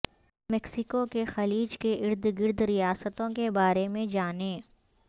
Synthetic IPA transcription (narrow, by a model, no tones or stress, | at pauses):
mɛksɪkokexɐliːd͡ʒkeʔɪɾd̪ɡɪɾd̪ɾijaːsət̪õkebaːɾemẽd͡ʒaːneː